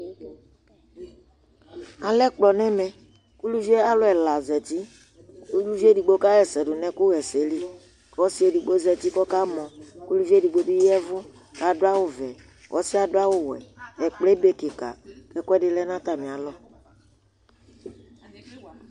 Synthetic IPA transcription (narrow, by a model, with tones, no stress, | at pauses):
a˨lɛ˦k͡plɔ˨nɛ̃˦mɛ̃˨ | ku˦lu˦vi˦e˦a˦lɔ˦ɛ˨la˨zɛ˨t̪i˦ | ku˦lu˦vi˦e˦di˨ɡ͡bo˦ka˦ɣɛ˨sɛ˨dʊ˨nɛ̃˦ku˦ɣɛ˨se˨li˦ | kɔ˦si˦e˨di˨ɡ͡bo˦zɛ˨t̪i˦kɔ˦ka˦mɔ̃˨ku˦lu˦vi˦e˦di˨ɡ͡bo˦di˦jɛ˦vʊ˦ | ka˨do˦a˦wo˦vɛ˨ | wʔɔ̰˦si˦a˨do˦a˦wo˦wɛ̰˨ɛ˨k͡ple˦be˨ke˨ka̰˨kɛ˦kdɪ˨lɛ˦nã˦t̪a˨mĩ˨a˨lɔ˦